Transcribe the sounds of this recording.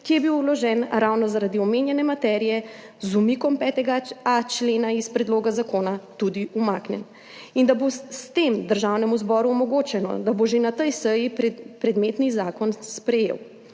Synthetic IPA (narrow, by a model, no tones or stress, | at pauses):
kijɛbiwulɔʒɛːnɾawnɔzaɾad̪iɔmeːnjɛnɛmat̪ɛːɾijɛ | zumikɔmpɛːt̪ɛɡaat͡ʃleːnaispɾɛd̪loːɡazakoːnat̪ud̪iumaːknʲjɛ̰n | ind̪abost̪emd̪əɾʒawnɛmuzbɔːɾuɔmɔɡoːt͡ʃɛnɔ̰d̪aboʒenat̪əjsəjippɾɛd̪meːt̪nizaːkɔnspɾɛjḛw